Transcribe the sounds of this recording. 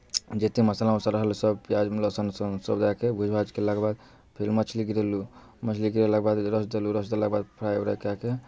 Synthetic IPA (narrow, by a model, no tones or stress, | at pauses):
d͡ʒet̪eməsalaũsaɾəɦlsəbpjad͡ʒmlɔsənsəsə̰bd̪akebʱud͡ʒʱbʱad͡ʒkelaɡbad̪̚ | pʰelmət͡ʃʰliɡiɾelu | mət͡ʃʰliɡiɾelak̚bad̪ɾəsd̪eluɾəsd̪elaɡ̚bad̪̚pʰɾajuɾəkake